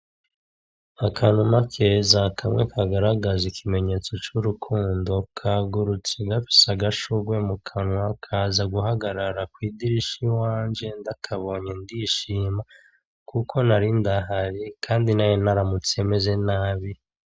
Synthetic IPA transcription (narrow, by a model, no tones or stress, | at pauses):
akʰanumakʰezakʰamŋekʰaɡaɾaɡazikʰime̞ɲe̞t͡so̞t͡ʃuɾukʰuːndo̞kʰaɡuɾut͡seɡafi̥saɡaʃuɡwe̞mukʰanuakʰaːzaɡuɦaɡaɾaɾakwiːdiɾiʃiwaːnd͡ʒe̞ndakʰaβo̞ːɲe̞ndiʃiːma | kʰukʰo̞naɾindaɦaɾikʰaːndinajenaɾamut͡sie̞me̞ze̞naːβi